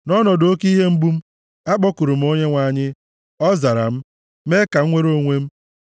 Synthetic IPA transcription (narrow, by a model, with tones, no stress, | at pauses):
nɔ˦nɔ˨do˦ki˦ɦe˦m̩˦bu˦m̩˦ | a˦k͡pɔ˦ku˨ɾu˨m̩˦o˦ɲe˦ŋʷa˨˦˨ɲɪ˦ | ɔ˦za˨ɾa̰˨m̩˦ | me˦ka˨ŋ̩˦ŋʷe˦ɾo˦ŋʷe˦m̩˦